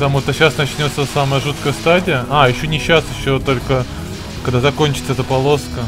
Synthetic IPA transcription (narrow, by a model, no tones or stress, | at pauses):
t̪amuʂt̪əɕasnɐt͡ɕnʲo̞t̪səsaməjəʐut̪kəjəst̪adʲɪjəʔajɪɕːonʲɪɕːasjɪɕːot̪o̞lʲkə | kɐɡd̪azɐkonʲt͡ɕɪt̪səɛt̪əpɐlˠo̞skə